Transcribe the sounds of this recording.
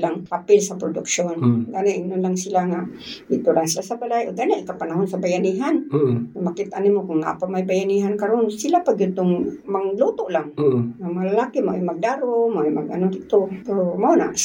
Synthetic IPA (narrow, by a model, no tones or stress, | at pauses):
laŋhapɪlsapɾʊdʊkʃonɡanaʔinʊnlaŋsilaŋaʔdɪʔt̪ʊɾaŋsilasabalajʔoɡanaʔikapanaɦʊnsabajaniɦanamakit̪animokʊŋna̰ʔpamajbajaniɦankaɾonsilapaɡjʊd̪̚t̪ʊŋmaŋlut̪ʊʔlaŋŋamaŋalalaːkimaʔo̰jmaɡ̚daːɾomaʔjmaɡanʊdɪt̪opɛɾomaona̰ʔ